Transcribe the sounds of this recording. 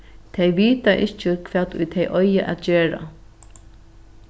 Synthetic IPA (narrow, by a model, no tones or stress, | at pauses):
t̪ʰɛjʋiːt̪aʔɪht͡ʃəkʰv̥ɛːt̪ʊ̰jt̪ʰɛjʔɔjaʔa̰t̪d͡ʑeːɹa̰